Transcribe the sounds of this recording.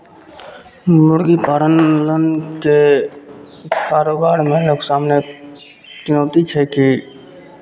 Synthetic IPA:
mʊɽɡipaːɾənlənke | kaːɾoːɡaːɽmẽloːksaːmne | t͡ʃʊnoːt̪it͡ʃʰeːkiː

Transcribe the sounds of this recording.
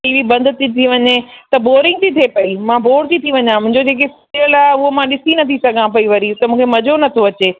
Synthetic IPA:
iːʋibɐ̃nd̪t̪it̪ʰiʋɐɲet̪ɐboːɾɪ̃ŋɡ̚t̪ʰit̪ʰepɐimãboːɽt̪it̪ʰiʋɐɲãmʊ̃ɦɪ̃ɲd͡ʑod͡ʑeːk̬es | iəlaːɦeʊɦomãɗɪsinɐt̪ʰisɐɡʱãpɐiʋɐɾit̪ɐmũːkʰemɐd͡ʑonɐt̪ʰoɐt͡ɕeː

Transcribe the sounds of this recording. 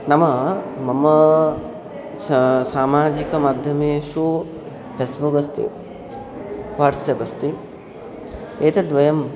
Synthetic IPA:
nɐmɐmɐmɐ | saːmaːd͡ʒikɐmaːd̪ʱjɐmeːʂu | pesbuɡɐst̪ḭ | ʋaːʈsjɐbɐst̪i | eːt̪ed̪ʋɐjɐm

